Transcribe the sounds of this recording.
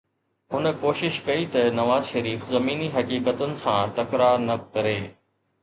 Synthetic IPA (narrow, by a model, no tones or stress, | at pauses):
ɦʊn̆koːʃɪʃkɐit̪ɐnɐʋaːzʃɐɾiːfzɐmiːniɦɐkiːkət̪ʊnɪ̆sãʈɐkɾaːɾnɐkɐɾeː